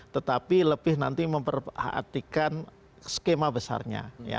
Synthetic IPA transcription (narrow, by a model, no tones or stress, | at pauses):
t̪ət̪apiləbɪhna̰nt̪iməmpərha̰ʔa̰t̪ikan | sə̥kemabəsa̰rɲa̰ja̰